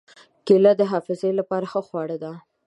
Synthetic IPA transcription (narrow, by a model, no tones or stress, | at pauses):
kelad̪əɦɑfɪzelapɑɾaxəxwɑɽəd̪a